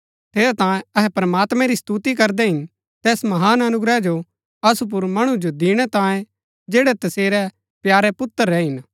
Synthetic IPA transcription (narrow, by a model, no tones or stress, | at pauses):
t̪ʰeːɾat̪ãːjẽɐɦɛpɾɐmaːt̪mɛ̃ɾist̪ut̪ik̬ɐɾd̪ɛɦɪn | t̪ɛːsmɐɦaːnɐnʊɡɾɛd͡ʒo | ɐsup̬ʊɾmɐɽ̃ud͡ʒod̪ɪːɽ̃ɛt̪ãːjẽ | d͡ʒeːɽɛt̪ɐseːɾɛ | pjaːɾɛpʊt̪ːəɾːɛɦɪn